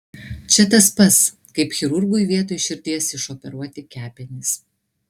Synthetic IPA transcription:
t͡ʃʲɛt̪ɐspɐt̪s | kɐɪpxʲɛɾʊɾɡʊjʋʲiɛt̪oːjʃʲɪɾʲd̪ʲiɛsɪʃɔpʲɛɾuɔt̪ʲɪkʲæːpʲɛnʲɪs

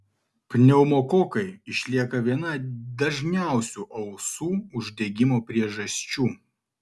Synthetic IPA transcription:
pʲnʲɛʊmoːkoːkɐɪɪʃʲlʲiɛkɐʋʲiɛnɐd̪ɐʒʲnʲæˑʊsʲuʔɐʊsuːʊʒʲd̪ʲeɡʲɪmoːpʲɾʲiɛʒɐsʲt͡ʃʲuː

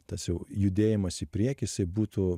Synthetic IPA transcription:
t̪ɐsjɛʊjʊd̪ʲeːjɪmɐsiːpʲɾʲiɛkʲɛjɪsɐɪbuːt̪u

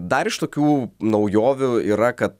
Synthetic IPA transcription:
d̪ɐɾɪʃt̪oːkʲuːnɐʊjoːʋʲʊiːɾɐkɐt̪̚

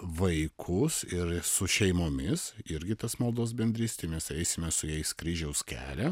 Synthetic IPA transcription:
ʋɐɪkʰʊsɪɾsʊʃʲɛɪmoːmʲɪsɪɾʲɡʲɪt̪ɐsmɐlˠd̪oːsbʲɛnʲd̪ʲɾʲist̪ʲɪmʲɛsɛɪsʲɪmʲɛsʊjɛɪskɾʲiːʒʲɛʊskʲæ̰ːlʲɛ

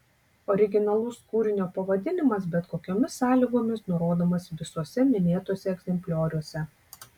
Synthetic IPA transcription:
ɔɾʲɪɡʲɪnɐlˠʊskuːɾʲɪnʲoːpɐʋɐd̪ʲɪnʲɪmɐsbʲɛt̪koːkʲoːmʲɪsɑːlʲiːɡoːmʲɪsnʊɾoːd̪oːmɐsʲʋʲɪsuɔsʲɛmʲɪnʲeːt̪uɔsʲɛɛɡzʲɛmʲpʲlʲoːɾʲuɔsʲɛ

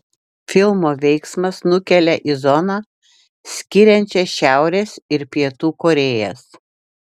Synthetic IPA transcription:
fʲɪlˠmoːʋʲɛɪksmɐsnʊkʲɛlʲɛʔizɔnɑː | sʲkʲɪɾʲɛnʲt͡ʃʲɛsʃʲæˑʊɾʲeːsɪɾpʲiɛt̪uːkoːɾʲeːjɛs

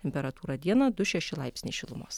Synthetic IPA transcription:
t̪ʲɛmʲpʲɛɾɐt̪uːɾɐd̪ʲiɛnɐd̪ʊʃʲɛʃʲɪlˠɑɪpʲsʲnʲɛʃʲɪlˠʊmoːs

